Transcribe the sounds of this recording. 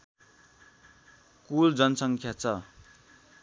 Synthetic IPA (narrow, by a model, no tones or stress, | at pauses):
kuld͡zʌnʌsʌŋkʰjat͡sʰʌ